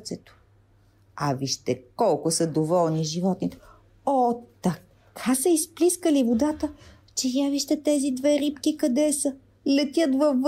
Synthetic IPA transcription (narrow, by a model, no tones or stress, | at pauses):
t̪sɛt̪o̥ | ɐviʃt̪ɛkɔlˠkosəd̪ovɔlˠniʒivɔt̪nit̪ɛ̥ | ɔt̪ɐ | kʰasɐispliskəlivod̪at̪ə | t͡ʃɛjaviʃt̪ɛt̪ɛzid̪vɛɾipkikɐd̪ɛsə | lɛt̪ʲjət̪vɐf